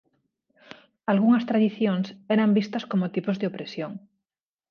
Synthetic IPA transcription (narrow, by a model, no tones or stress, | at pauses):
alɣuŋɐst̪ɾaðiθjoŋsɛɾɐmbist̪ɐskomot̪ipozðeopɾesjoŋ